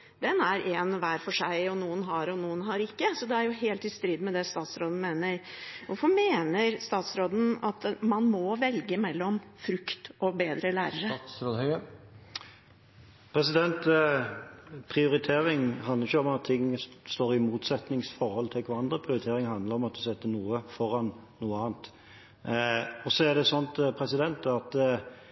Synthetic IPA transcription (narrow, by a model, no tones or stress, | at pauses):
d̪̥ɛnæɾeːnʋæːɾfɔʂæɪɔnuːənɦɑɾɔnuːənɦɑɾɪkːəsɔd̪ɛæɾjʊɦeːlt̪ɪst̪ɾɪd̪mɛd̪ɛst̪ɑːt̪sɾoːd̪n̩meːnəɾʋʊɾfɔɾmeːnəɾst̪ɑːt̪sɾoːd̪ən̩ɑt̪mɑnmɔʋɛlɡəmɛlːɔmfɾʉkt̪ɔbeːd̪ɾəlæːɾəɾə | pʰɾɛsɪd̪ɛnt̪ | pʰʁɪʊɾɪt̪ʰeːɾɪŋɦɑnd̪əɾɪçəɔmɑt̪ʰːɪŋːst̪oːɾɪmuːt̪sɛt̪nɪŋsfɔɾhɔlt̪ʰɪlkʰʊʁɑnd̪ʁəpʰɾʁɪʊɾɪt̪ʰeːɾɪŋhɑnd̪ləɾɔmɑt̪̚d̪ʉsɛt̪ːənuːəfɔɾɑnː | uːəɑːnt̪ | ɔsɔɛd̪ɛsɔnt̪pʰɾɛsɪd̪ɛnt̪ɑt̪